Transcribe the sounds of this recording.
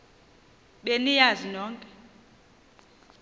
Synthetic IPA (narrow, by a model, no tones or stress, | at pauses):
ɓenijazinɔːŋkʼɛ